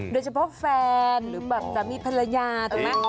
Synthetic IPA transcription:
doː˧jt͡ɕʰa˧pʰɔ˦˥ʔfɛː˧nɾɯː˩˦bɛː˨˩p̚t͡ɕa˨˩miː˧pʰa˧lɾa˧jaː˧t̪ʰːa˨˩a˦˥˩

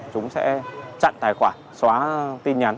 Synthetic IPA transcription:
t͡ɕʊ˨˦ŋ͡msɛ̰˧˥t͡ɕa̰˧˨nt̪aː˨˩jxwaː˧˩nswaː˨˦t̪i˧nɲa˨˦n

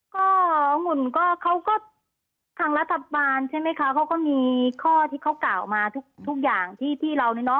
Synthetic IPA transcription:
kɔː˥˩ŋu˧˩nkɔː˥˩kʰa˦˥wkɔː˥˩ | t̪ʰaː˧ŋla˦˥t̪ʰːa˧baː˧nt͡ɕʰa˥˩jma˦˥˩jkʰa˦˥kʰa˨˦˥wkɔː˥˩miː˧kʰɔː˥˩t̪ʰiː˥˩kʰa˦˥˩wkaː˨˩wmaː˧t̪ʰu˦˥˩k̚t̪ʰu˦˥k̚jaː˨˩ŋt̪ʰiː˥˩t̪ʰiː˥˩ɾa˧wniː˧˩nɔ˦˥

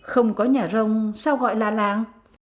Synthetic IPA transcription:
xə˧wŋ͡mkɔ˨˦ɲaː˨˩zə˧wŋ͡msaː˧wɣɔ̰˧˨jlaː˨˩laː˨˩ŋ

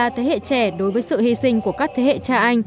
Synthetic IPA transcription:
aː˨˩t̪ʰe˨˦hḛ˧˨t͡ɕɛ˧˩ɗo˨˦jvəː˨˦jsɨ̰˧˨hi˧sï˧ŋ̟ku˧˩əkaː˦˥k̚t̪ʰe˨˦hḛ˧˨t͡ɕaː˧ʔa˧jŋ̟

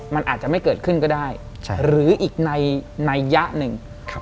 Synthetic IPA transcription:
ma˧nʔa̰ː˨˩t̪̚t͡ɕa˨˩ma˥˩jkɤː˨˩t̪̚kʰɯ˥˩nkɔː˥˩daː˥˩j | t͡ɕʰɾɯː˩˦ʔiː˨˩k̚na˧jna˧jːa˦˥ʔnɯ˨˧ŋʰ˦

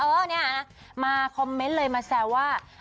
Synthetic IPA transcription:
ʔɤː˧˩ni˥˩ɐna˦˥ | maː˧kʰɔ˧mːe˦nlɤː˧jmaː˧sɛː˨˩waː˥˩

